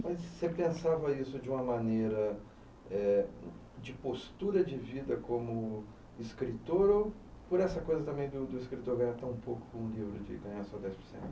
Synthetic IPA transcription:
mɐsːepẽsavɐisʊd͡ʒɪũmɐmɐ̃nejɾɐ | ɛ | d͡ʒɪpost̪uɾɐd͡ʒɪvid̪ɐkõmʊ | ɪskɾit̪oɾopoɾɛsɐkojzɐt̪ɐ̃mẽj̃d̪ʊd̪ʊiskɾit̪oɾɡɐɲat̪ɐ̃ũpowkʊ̥kõũlivɾʊ̰d͡ʒɪ̰ɡɐ̃ɲaɾsɔd̪ɛjspo̥ɾsḛ̃nt̪ʊ

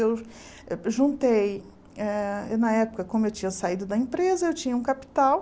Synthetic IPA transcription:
ew | ʒũnt̪ej | ɛnɐɛpʊkɐkõmʊewt͡ʃĩɲɐsaid̪ʊd̪ɐẽpɾezɐewt͡ʃĩɲɐũkapi̥t̪aw

